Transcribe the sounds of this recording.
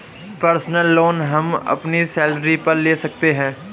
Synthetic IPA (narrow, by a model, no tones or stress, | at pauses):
pəɾsnəlːoːnɦɐmɐ̰pnisɛːlɾipɐɾleːsɐk̚t̪eɦɛ̃ː